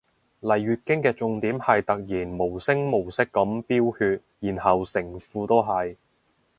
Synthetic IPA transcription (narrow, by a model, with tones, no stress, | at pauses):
lɐ˨˩jɥyː˨t̚kɪ˥ŋkɛː˧t͡sʊ˧ŋt̪iː˨˥mhɐ˨jt̪ɐ˨k̚jiː˨˩nmo˨˩wsɪ˥ŋmo˨˩wsɪ˥kːɐ˨˥mpiː˥whyː˧t̚jiː˨˩nhɐ˨wsɪ˨˩ŋfuː˧t̪o˥wɦɐ˨j